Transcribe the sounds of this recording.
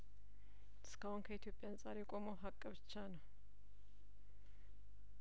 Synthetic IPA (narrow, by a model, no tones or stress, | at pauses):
ʔɨ̥skʰahʊnkʰəit̪ʰjo̞pʼjansʼaɾjɛkʷʼo̞mawɦakʼːəβɨt͡ʃːanəw